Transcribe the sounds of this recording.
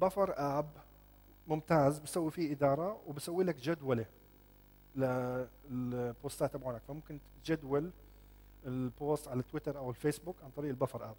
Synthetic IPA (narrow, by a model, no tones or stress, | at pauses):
bafɑɾˤʔaːb | mʊmt̪aːzbɪsawːifiʔɪd̪ɑːɾˤɑwbɪsawːiːlakd͡ʒad̪wale | la | poːst̪aːt̪abʕanakfamʊmkɪn | d͡ʒad̪wal | ɪlboːst̪ʕalat̪ːwɪt̪ɑɾˤʔawɪlfeːsbʊkʕant̪ˤɑɾiːʔɪlbafɑɾˤʔaːb̚